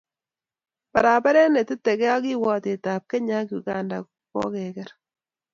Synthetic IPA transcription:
pa˨ɾa˨pa˦ɾɛ˦nɛ˨tɪ˦tɛ˨kɛ˦a˦ki˦wɔ˦t̪e˨ta˨p̚kɛ˦ɲa˦ku˨ka˦nda˨ | kɔ̰˦kɛ˨kɛ˦ɾ

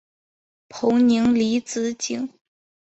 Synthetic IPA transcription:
pʰo˧˥ŋni˧˥ŋli˧˥t͡sɹ̩˧˥t͡ɕi˨˥ŋ

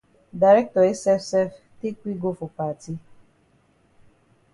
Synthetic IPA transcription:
da˨ɾɛ˦k̚tɔ˨e˦sɛ˦fsɛ˦f | te˦kʷi˦ɡo˦fʊ˨pa˨ti˦

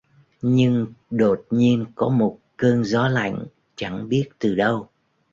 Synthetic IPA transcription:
ɲɨ˧ŋɗo˨˩t̚ɲi˧ənkɔ˨˦mo˨˩t̚kə˧ŋzɔ˨˦la̰˧˨jŋ̟ | t͡ɕa̰˧˩ŋɓi˦˥ət̚t̪ɨ˨˩ɗə˧w

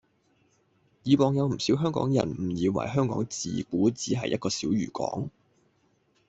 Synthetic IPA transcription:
jiː˨˧wɔː˨ŋjɐ˨˧wm̩˨˩siː˨˥wɦœː˥ŋkɔː˨˥ŋjɐ̰˨˩nm̩˨˩jiː˨˧wɐ̰˨˩jɦœː˥ŋkɔː˨˥ŋt͡sḭː˨kuː˨˥t͡siː˨˥ɦɐ̰˨jʔɐ̰˥t̚kɔː˧sḭː˨˥wjy̰ː˨˩kɔ̰ː˨˥ŋ

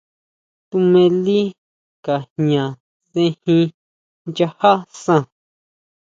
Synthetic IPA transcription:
t̪u˧mẽ˧li˦ | ka˨hɲã˨ | ðẽ˧hĩ˧ | nd͡ʒa˧ha˦sã˧˨

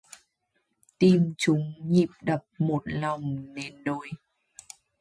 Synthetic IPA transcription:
t̪i˧mt͡ɕʊ˨˦ŋ͡mɲḭ˨˩p̚ɗə˨˩p̚mo˨˩t̚la˨˩wŋ͡mne˧nɗo˧˩j

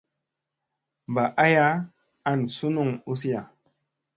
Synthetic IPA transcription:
m˨ba˨ʔa˦ja˦ | a˦˨nsu˦nu˦˨ŋu˦s̬i˦ja˨

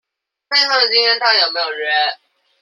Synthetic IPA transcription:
fe˥ɪtɑ˥˩d̪ə˨˩t͡ɕi˥ŋjɛ˥nt̪ɑ˥˩ŋjo˨˩ʊme˧˥jo˨˩ʊɻɛ˧˥˦n

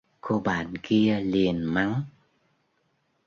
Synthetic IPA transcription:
ko˧ɓa̰ː˧˨nki˧əli˨˩ənma˨˦ŋ

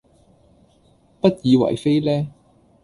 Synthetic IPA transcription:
pɐ˥t̚jiː˨˧wɐ̰˨˩jfe˥jlɛː˥

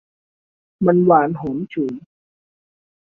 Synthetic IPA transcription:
ma˧nwaː˨˩˦nɦo˨˩˦mt͡ɕʰuː˨˩˦

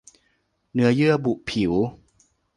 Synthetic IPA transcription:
nɯ˥ɐjɯ˥˩ɐbu˨˩ʔpʰi˨˩˦w

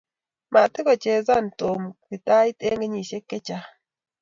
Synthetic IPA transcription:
ma˨tɪ˦kɔ˨t͡ʃe˨za˦˨n˨to˨mtɪ˨ta˦i˦te˦ŋɡe˦ɲi˨se˦kɛ˦t͡ʃa˦

